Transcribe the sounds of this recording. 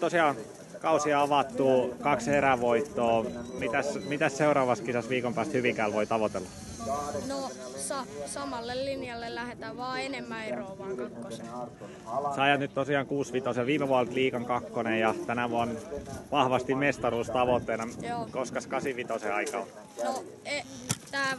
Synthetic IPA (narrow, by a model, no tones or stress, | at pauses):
t̪osiɑːn | kɑusiɑɑʋɑt̪ːuːkɑkseɾæʋoit̪ːoːmit̪æsmit̪æsseurɑːʋɑst̪kisɑsʋiːkompæːst̪hyʋikæːlʋoit̪ɑʋot̪elːɑ | no | sɑsɑmɑlːellinjɑlːellæhet̪æːʋɑːenemːæeroːʋɑːŋkɑkːose | seɑijɑt̪nyt̪t̪osiɑːŋkuːsʋit̪oseʋiːmeʋuɑlt̪liːkɑŋkɑkːonejjɑt̪ænæʋuɑnʋɑhʋɑst̪immest̪ɑruːst̪ɑʋot̪ːeːnɑkoskɑskɑsiʋit̪oseɑikɑo | no | et̪æː